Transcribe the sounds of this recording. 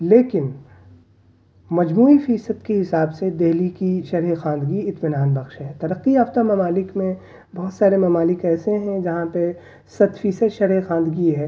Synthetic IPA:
leːkɪn | mɐd͡ʒmuːifiːsəd̪keɦɪsaːbsed̪eɦlikiʃɐɾɦexãːnd̪ɡiɪt̪mɪnaːnbɐxʃɦɛ̃t̪ɐɾəqːiaːft̪amɐmaːlɪkmẽ | bɐɦʊt̪saːɾemɐmaːlɪkɛːseɦɛ̃d͡ʒɐɦãpɐ | sɐt̪ʰfiːsəd̪ʃɐɾɦexãːnd̪ɡiɦɛː

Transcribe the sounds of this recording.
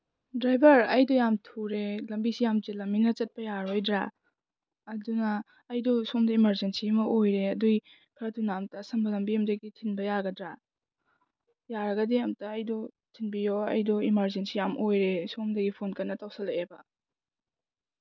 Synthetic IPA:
dɾajbɐɾɐjdɔjamtʰuɾelɐmbisijamtilɐminɐt͡ʃɐt̚pɐjaɾojdɾa | ɐdunɐː | jdɔsomdɐimɐɾzensimɐʔojɾeɐduj | kʰɐɾɐtunamtɐsɐmbɐlɐmbiɐmdɐɡitʰinbɐjaɡɐdɾa | jaɾɐɡɐdiamtɐɐjdɔ | tʰinbijoɐ̰jdɔimɐɾzensijamʔojɾesomdɐɡipʰonkɐnːɐtawsɐleebɐ

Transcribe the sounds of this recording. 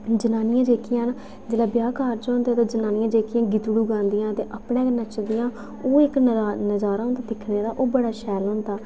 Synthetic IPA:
d͡ʒənaːnɪjãːd͡ʒeːkʰɪjãːn | d͡ʒeːlaːbjaːkaːɾd͡ʒãːnd̪aːt̪eːd͡ʒənaːnɪjãːd͡ʒeːkʰɪjãːɡɪt̪ɽuːɡãːnd̪ɪjãːt̪eːʔapɽeːknət͡ʃəld̪ijãː | oːɪkːnəzaːɾãːnt̪ad̪ɪkʰneːɾaːʔoːbəɽaːʃɛːlɦõːnd̪aː

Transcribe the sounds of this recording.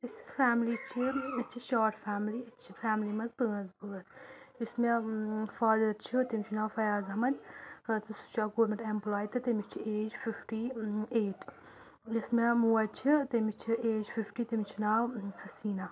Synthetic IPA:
t̪isi̥faːmlit͡ʃʰiɐt͡ʃʰiʃaːʈfaːmliɐt͡ʃʰifaːmlimɐzbɨɣɐzbɨɣɐt̪ | ismefaːd̪ɐɾt͡ʃʰit̪ɐmʲit͡ʃʰinaːfɐjaːzɐmɐd̪ʲɐt̪ɐsu̥t͡ʃʰaːkoːɾmɐʈemplaːjt̪ɐt̪ɐmit͡ʃʰieːd͡ʒfifʈieːʈ | jismemuːɐt͡ʃʰit̪ɐmit͡ʃʰieːd͡ʒfifʈiːt̪ɐmit͡ʃʰinaːwhɐsiːna

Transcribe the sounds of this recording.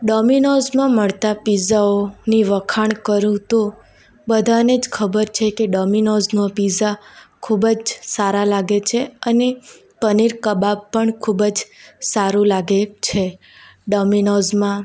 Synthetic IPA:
ɖɔminɔzmãməɭt̪apizaoniʋəkʰaɳ̃kəɾjũt̪o | bəd̪ʱaned͡ʒkʰəbəɾt͡ʃʰekeɖɔminɔznũpizakʰubəd͡ʒsaɾalaɡet͡ʃʰeəne | pəniɾkəbabpːəɳkʰubəd͡ʒsaɾũlaɡet͡ʃʰe | ɖɔminɔzmã

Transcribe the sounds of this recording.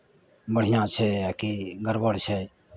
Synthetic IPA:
bəɽ̤ijãt͡ʃʰɛjakiɡəɾbəɽt͡ʃʰɛ

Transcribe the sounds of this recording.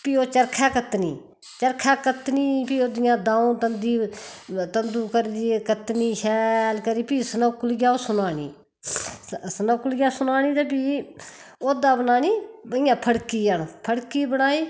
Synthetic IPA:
piːoːt͡ʃəɾkʰaːkət̪nḭː | t͡ʃəɾkʰaːkət̪niːpiːoːd̪ɪjãːd̪ãːũːt̪ənd̪iː | t̪ənd̪uːkəɾiːkət̪niːʃɛːlkəɾiːpiːsnəːkʊlɡaːosʊnaːɽḭː | sənəːkʊlɡjãːsʊnaːñiːd̪aːp̬iː | oːd̪ãːbənaːniːbəɪjãːpʰəɽkiːəɳpʰəɽkiːbənaːiː

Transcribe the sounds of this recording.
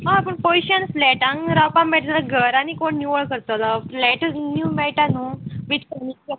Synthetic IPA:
ɦãpəɳpojɕənflɛʈãŋɾawpãmːɛʈd͡zalaɡəɾanikoɳːjuʋəɭkəɾt̪olaflɛʈnjuːmɛʈanuʋit̪kəni

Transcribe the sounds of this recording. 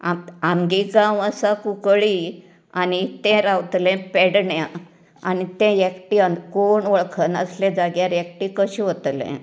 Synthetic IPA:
aamɡiɡãʋəsakukɭi | anit̪ɛ̃ɾawt̪lɛ̃peɽɳja | a̰nit̪ɛ̃jekʈiənkoɳʋəɭkʰənəslẽd͡zaɡjaɾekʈikəɕiɦot̪lɛ̰̃

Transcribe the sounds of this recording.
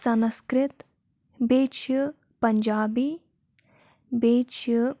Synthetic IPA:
sɐnskɾɪt̪ | beːt͡ʃʰə | pɐɲd͡ʒaːbi | beːt͡ʃʰə

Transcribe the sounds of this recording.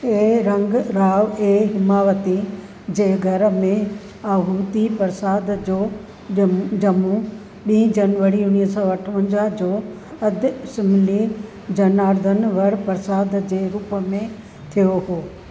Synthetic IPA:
eɾɐ̃ŋɡɾaːʋeːɦɪmaːʋət̪i | d͡ʑeːɡʱɐɾmẽ | aːɦuːt̪ipɐɾsaːd̪d͡ʑoː | d͡ʑɐmu | ɓĩːd͡ʑɐnʋəɽiʊniːəsɔʋɐʈʰʋə̃ɲd͡ʑad͡ʑoː | ɐd̪ʱsɪmɪli | d͡ʑɐnaːɾd̪ʱənʋɐɽpɐɾsaːd̪d͡ʑeːɾuːpəmẽ | t̪ʰijoɦoː

